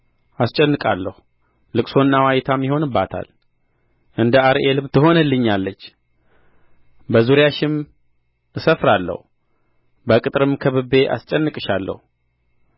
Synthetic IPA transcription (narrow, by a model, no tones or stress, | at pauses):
ast͡ʃʼɛnːɨkʼalːəhu | lɨkʼso̞nːawajt̪ʰamːiho̞nɨbːat̪ʰa̰l | ʔɨnd̪əaɾʔelɨmt̪ʰɨɦo̞nəlːɨɲːalːət͡ʃː | bəzuɾjaʃɪm | ɨsəfɾalːə̰hu | bəkʼɨt̪ʼɾɨmkʰəβɨbe̞ʔa̰st͡ʃʼɛnːɨkʼɨʃalːə̰hu